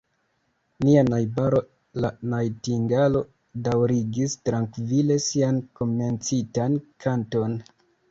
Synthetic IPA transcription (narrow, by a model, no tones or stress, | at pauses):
nianajbaɾo̞ | lanajtiŋɡalo̞ | dawɾiɡistɾaŋkvile̞sianko̞me̞nt͡sitankʰanto̞n